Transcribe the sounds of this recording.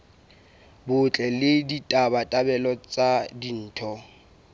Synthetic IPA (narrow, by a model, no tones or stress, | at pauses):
bʊt͡ɬʼɛlɪditʼabatʼabɛlɔt͡sʼadin̩ːtʰɔ